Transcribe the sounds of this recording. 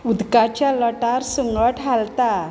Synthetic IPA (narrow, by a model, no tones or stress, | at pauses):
ud̪kat͡ɕjaləʈaɾsəŋɡəʈɦalt̪a